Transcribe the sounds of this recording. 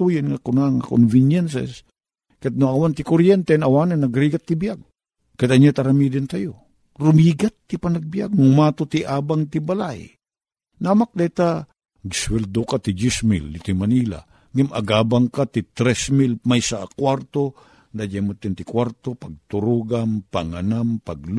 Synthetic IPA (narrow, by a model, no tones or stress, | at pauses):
t̪ujɪnŋakʊnaŋako̰nvɪnjɛnsɛ̰s | kat̪̚nʊŋawant̪ikoɾjɛnt̪ɛnawananaɡɾiɡat̪ːibijaɡ̚ | kat̪aɲat̪aɾamid̪ɪnt̪ajo | ɾʊmiɡat̪ːipanaɡ̚bijaɡ̚nʊmat̪ot̪iʔaːbaŋt̪ibalaj | namak̚d̪ajt̪a | ɡswɛld̪okat̪id͡ʒismilːɪt̪imaniːla̰ | ŋama̰ɡaːbaŋkat̪it̪ɾɛsmilmajsaʔakwaɾt̪o | nd̪ad͡ʒamot̪ːɛnt̪ɪkwaɾt̪opaɡ̚t̪ʊɾuːɡampaŋanampaɡl